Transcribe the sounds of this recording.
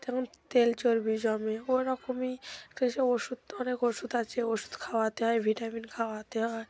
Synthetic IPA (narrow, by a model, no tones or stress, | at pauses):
d̪ɛkʰont̪elt͡ɕoɾbid͡ʑɔmeoɾɔkomiɛkʈaet͡ʃeoʃud̪̚ɔnekoʃud̪at͡ɕʰeoʃu̥d̪kʰawat̪eɦɔebʱiʈaminkʰawat̪eɦɔe